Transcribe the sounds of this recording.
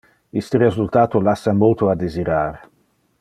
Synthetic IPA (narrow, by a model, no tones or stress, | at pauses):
ist̪eɾezult̪aːt̪olasamolt̪oad̪eziɾaɾ